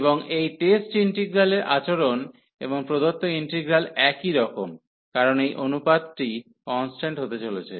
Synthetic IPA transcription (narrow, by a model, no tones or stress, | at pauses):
boŋejʈesʈiɳʈiɡɾaleɾʔa̰t͡ɕoɾon | eboŋpɾod̪ot̪ːoiɳʈiɡɾalɛkiɾɔkom | kaɾonejʔonupad̪ʈi | kɔnsʈaɳʈɦot̪et͡ɕolet͡ɕʰḛ